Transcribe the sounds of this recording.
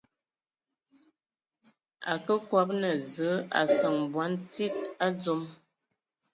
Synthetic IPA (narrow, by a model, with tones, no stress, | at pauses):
a̰˨kə˦kwɔ˦p̚nə˨zə˨˦a̰˨sə˨ŋbwa˨˦nt͡si˦t̚a˦d͡zu˦m